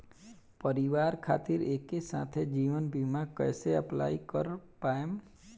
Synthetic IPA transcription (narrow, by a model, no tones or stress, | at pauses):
pəɾiʋaːɾkʰa̰ːt̪iɾeːkːesã̰ːt̪ʰed͡ʒiːʋənbimakɛ̰ːseəpla̰ːikəɾpaːem